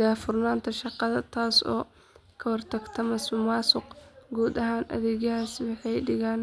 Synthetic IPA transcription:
afʊrnaːnt̪ʰɐʃɑqɑðɐt̪ʰaːsɔ̰ː | kʰɐwɑrt̪ʰɐɡt̪ʰɐmɐsmʊmaːsʊqɡuːd̪ɐɦaːnʔɐ̰ðɛːɣɐɦaːswɑħɑjɖɪɣaːn

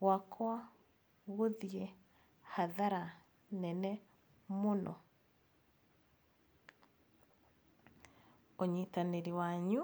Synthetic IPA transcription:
wakʰwa | ɣoðie | haðaɾa | nɛnɛ | monɔ̰ | oɲitaneɾiwaɲu

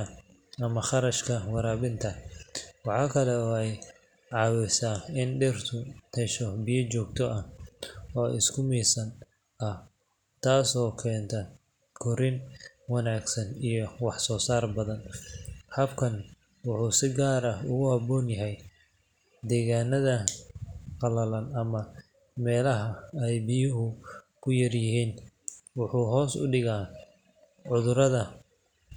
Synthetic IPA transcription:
ɐ | ɐmɐχɑɾɐʃkʰɐwɑɾaːβɪnt̪ʰɐwɑħɑːkʰɐlɛɔːɛj | ʕɑːwɛsaːɪnɖɛrt̪ʰʊt̪ʰɛʃɔbijɐt͡ʃɔːɡ̚t̪ʰɔʔɐhɔːʔɪ̰skʰʊmiːsɐn | ʔɐh | t̪ʰaːsɔːkʰɛːnt̪ʰɐ | kʰɔɾɪn | wɑnaːɡsɐnijɔwɑħsɔːsaːrbɐðɐnhɐbkʰɐn | wʊħuːsɪɡaːɾɐʊɣʊhɐbɔːnjɐɦɛj | d̪ɛːɣaːnɐðɐ | qɑlɐlɐnɐmɐ | mɛːlɐɦɐɛjbɪjʊɦʊ | kʰʊjɐrjɪɦiːnwʊħuːɦɔːsʊ̰ɖɪɣaː | ʕʊðʊɾɐðɐ

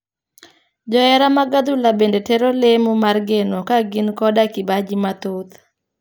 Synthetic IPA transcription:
d͡ʒɔɛɾamaɡad̪ulabendeteɾolemomarɡenokaɡɪnkɔdakɪbad͡ʒimat̪ot̪

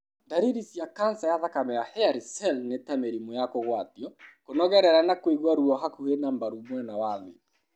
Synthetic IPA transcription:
ndaɾiɾisjakansajaðakamɛjahɛaɾisɛlnetameɾimojakoɣwatiɔkonɔɣɛɾɛɾanakweɣwaɾuɔɦakuhenambaɾumwɛnawaðe

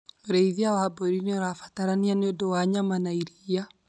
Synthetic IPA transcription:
oɾeiðiawabɔɾinioɾafḁtaɾanianeodɔwaɲamanaiɾija

